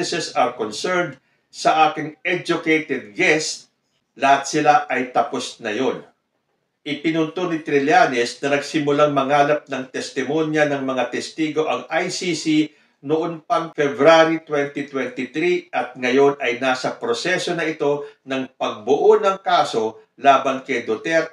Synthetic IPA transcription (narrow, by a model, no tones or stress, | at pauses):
ɛsɛsɐɹkonsɛɹnd̪̚ | sɐʔaːkɪŋɛd͡ʒʊkejt̪ɛd̪̚ɡɛst̪̚ | lɐhat̪sɪlaʔɐjt̪ɐpo̞snɐjo̞n | ʔɪpɪnʊnt̪onɪt̪ɾɪljanɪsnɐnɐɡsɪmʊlaŋmɐŋaːlɐp̚nɐŋt̪ɛst̪ɪmo̞njɐnɐŋmɐŋat̪ɛst̪iːɡo̞ʔɐŋʔajsisi | nʊʔonpɐŋfɛbɾaɾit̪wɛnt̪it̪wɛnt̪ɪt̪ɾiʔɐt̪̚ŋɐjo̞nʔɐjnasɐpɾosɛso̞nɐʔɪt̪o̞nɐŋpɐɡ̚bʊʔonɐŋkaːso̞ | laːbɐnkɐjd̪ot̪ɛɾ